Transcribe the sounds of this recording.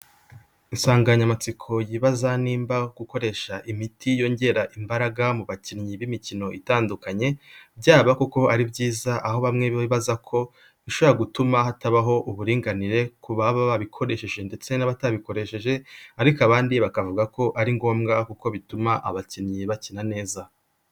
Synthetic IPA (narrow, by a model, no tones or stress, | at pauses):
insaːŋɡaɲamat͡sikʰo̞jiβazaniːmbaɡ̥uko̞ɾe̞ʃaʔimitijo̞ɲɟe̞ɾaʔimbaɾaɡamuβacinɲiβimicino̞ʔitaːndukaɲe̞bɟaːβakuko̞aɾibɟiːzaʔaho̞βamŋe̞ββaβiβazakʰo̞ | βiʃo̞βoɾaɡutumahataβaɦo̞ʔuβuɾiːŋɡaniɾe̞kuβaβaβaβikʰo̞ɾe̞ʃe̞ʒe̞nde̞t͡se̞naβataβiko̞ɾe̞ʃe̞ʒe̞aɾikaβaːndiβakavuɡako̞ʔaɾiŋɡo̞ːmɡakuko̞βitumaʔaβacinɲiβacinane̞ːza